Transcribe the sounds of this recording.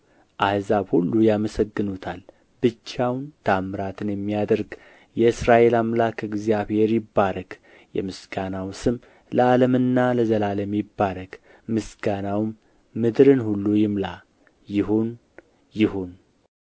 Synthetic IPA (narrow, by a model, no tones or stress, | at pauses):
ʔahzaβhulːujaməsəɡːɨnut̪ʰal | bɨt͡ʃːawnt̪ʰamɨɾat̪ʰɨnjɛmːijad̪əɾɡ | jɛɨsɾaʔe̞lamlakɨɡzijaβhe̞ɾjɪbːaɾəɡ̥ | jɛ̰mɨsɡ̥anawsɨm | ləaləmɨnːaləzəlaləmjɪbːaɾəɡ̥ | mɨsɡanawmː | ɨd̪ɾɨnhulːujɪmla | jɪɦon | jɪhon